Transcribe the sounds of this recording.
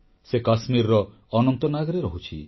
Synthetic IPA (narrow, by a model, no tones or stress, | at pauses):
sekasmiɾɾɔ | ɔnɔnt̪ɔnaɡɔɾeɾɔɦut͡ʃʰḭ